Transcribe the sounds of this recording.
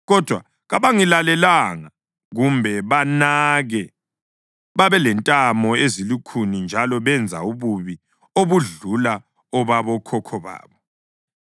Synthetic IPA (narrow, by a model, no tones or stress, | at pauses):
ɣɔd̥ʱwa | ɣaβaŋilalɛlaŋa | ɣumbʱɛβanaɣɛ | βaβɛlɛntʼamɔezilikʰunind͡ʒʱalɔβɛnd͡zʱa̰uβuβi | oβuɮula | ɔβaβɔkʰɔkʰɔβa̰ːβɔ